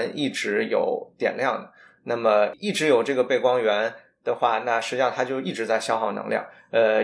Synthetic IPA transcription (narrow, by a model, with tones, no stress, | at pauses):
ni˥˩ʈ͡ʂɻ̩˧˥jo̰˨˩ʊt̪jɛ̰˨˩nljɑ˥˩ŋd̪ə˩ | na˥˩mə˩i˥˩ʈ͡ʂɻ̩˧˥jo˨˩ʊʈ͡ʂɤ˥˩ɡə˩pe˥˩ɪkwɑ˥ŋɥɛ˧˥n | d̪̥ə˧˨xwa˥˧na˥˧˩ʂɻ̩˧˥t͡ɕi˥ɕɑ˥˧t̪ʰa˥t͡ɕjo˥˧ʊi˥˩ʈ͡ʂɻ̩˧˥t͡sa˥˩ɪɕjɑ˥ʊxɑ˥˩ʊnɤ̰˧˥ŋljɑ̰˥˩ŋ | ə˧